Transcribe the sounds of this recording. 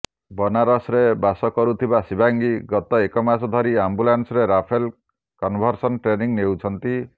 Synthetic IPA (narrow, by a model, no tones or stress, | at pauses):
bɔnaɾɔsɾebasɔkɔɾut̪ʰibasibaŋɡiɡɔt̪ɔekɔmasɔd̪ʱɔɾiambulansɔɾeɾapʰel | kɔnbʱɔɾsɔnʈɾeniŋnewt͡ʃʰɔnt̪i